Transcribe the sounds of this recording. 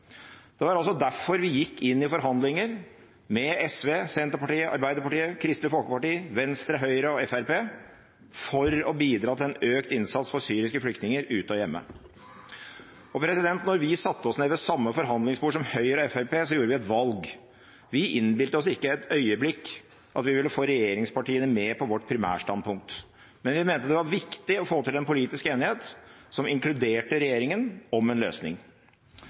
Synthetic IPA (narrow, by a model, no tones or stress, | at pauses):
d̪̥ɛʋɑɾɑlsɔd̪æfɔɾʋɪjɪkːɪnːɪfɔɾɦɑnd̪lɪŋəɾ | mɛɛsʋeːsɛnt̪əɾpɑʈiːəʔɑ̰ɾbæɪd̪əɾpɑʈiːəkʰɾɪst̪əfɔlkəpɑʈiːəʋɛnst̪ɾəɦœʏəɾəɔɛfæɾpeː | fɔɾɔbiːd̪ɾɑːt̪ʰɪlɛnøːkt̪ɪnsɑt̪sfɔɾsyːɾɪskəflʏkt̪nɪŋəɾʉːt̪əɔjɛmːə̰ | ɔpʰɾɛsɪd̪ɛnt̪nɔɾʋɪsɑt̪ːəɔsneːʋəsɑmːəfɔɾɦɑnd̪lɪŋsbuːʂ̬ɔmhœʏɾɑɛfæɾpeːsɔjuːɾəʋɪɛt̪ʋɑlɡ | ʋɪʔɪnbɪlt̪əɔsɪkːəæt̪œʏəblɪkː | ʔɑt̪ʋɪʋɪlːəfoːɾɛjeːɾɪŋspɑʈiːənəmeːpʰɔʋɔʈːpʰɾɪmæ̰ːʂʈɑn̚pʰʊŋk̚t̪ | mɛnʋɪmɛːnt̪əd̪ɛʋɑɾʋɪkt̪ɪɔfoːt̪ɪlɛnpʊliːt̪ɪskəeːnɪheːt̪sɔmɪŋklʉd̪eːʈəɾɛjeːɾɪŋənɔmɛnlø̰ːsnɪ̰ŋ